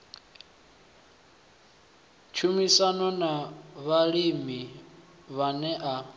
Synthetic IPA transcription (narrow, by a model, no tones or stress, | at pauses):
t͡ʃʰumisanɔnaβaɺimi | βanɛʔa